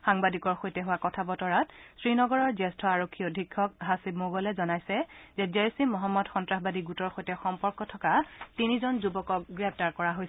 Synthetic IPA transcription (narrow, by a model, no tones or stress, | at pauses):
xaŋbadikɔɹxojtɛɦʊwakɔtʰabɔtɔɹatsɹinɔɡɔɹɔɹzɛstʰɔaɹokʰːiodʱikʰːɔk̚ɦasibmoɡɔlɛzɔnajsɛzɛd͡ʒejsimɔɦɔmːɔdxɔntɹaxbadiɡutɔɹxojtɛxɔmpɔɹkɔtʰɔkatinizɔnzubɔkɔk̚ɡɹɛp̚ʰtaɹkɔɹaɦojsɛ